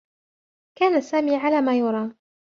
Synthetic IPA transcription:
kaːnasaːmiːʕalaːmaːjʊɾˤɑː

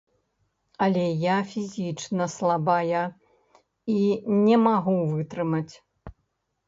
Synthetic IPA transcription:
ɐlʲɛjafʲizʲit͡ʂnɐslˠabajɐ | inʲɛmaɣuvɨt̪ɾɨmɐt͡sʲ

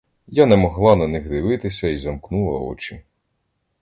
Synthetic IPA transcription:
janɛmɔɦlˠɑnɐnɪxd̪ɪʋɪt̪ɪsʲɐizɐmknulˠɐ̰ɔ̰t͡ʃi

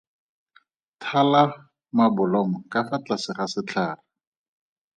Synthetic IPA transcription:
tʰala | mabʊlɔŋɔkʼafat͡ɬasɪχasɪt͡ɬʰaːla

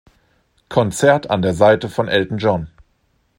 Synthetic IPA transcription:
kʰɔnt͡sɛɐtʰa̰ndeːɐzaɪtəfɔnʔɛltn̩d͡ʒɔn

